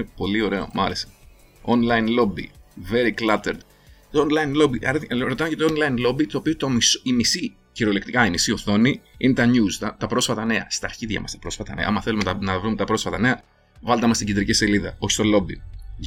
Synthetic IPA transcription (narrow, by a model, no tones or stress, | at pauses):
epo̞lio̞ɾe̞o̞̰mɐɾese̥ | onlɐjnlo̞bḭve̞ɾiklɐt̪eɾd̪ | onlɐjnlo̞biʔɐɾɾot̪ɐnocet̪oonlɐjnlo̞bit̪oːpiot̪omisimisi | çiɾo̞lekt̪ikɐimisio̞θo̞niinet̪ɐɲuzt̪ɐt̪ɐpɾo̞sfɐt̪ɐne̞ɐ̰st̪ɐːɾçiðʝɐ̰mɐ̰st̪ɐ̥pɾo̞sfɐt̪ɐne̞̰ɐ̰ɐmɐθe̞lumet̪ɐnɐvɾumet̪ɐpɾo̞sfɐt̪ɐne̞ɐ | vɐld̪ɐmɐst̪ɟind̪ɾicise̞liðɐo̞çi̥st̪o̞lo̞bi